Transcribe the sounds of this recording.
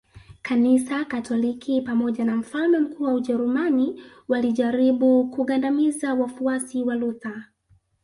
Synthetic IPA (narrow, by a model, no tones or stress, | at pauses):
kanisakatʰɔlikipamɔʄanam̩falmɛm̩kuːwauʄɛɾumani | waliʄaɾiɓukuɠandamizawafuasiwaluθa